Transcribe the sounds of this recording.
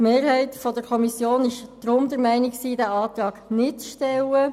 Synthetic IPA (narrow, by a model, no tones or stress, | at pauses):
meːɾhɛɪtfɔdəɾkʰɔmisjoːnɪʃd̥ɾʊmd̥̪əɾmɛɪnɪksiːd̥æɑːt̪ɾɑːɡnɪt̚t͡sʃtɛlə